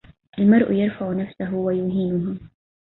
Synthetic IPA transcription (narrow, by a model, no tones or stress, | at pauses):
ʔalmɑɾˤʔʊ̰jɑɾˤfaʕʊnafsaɦʊwajʊɦiːnʊɦa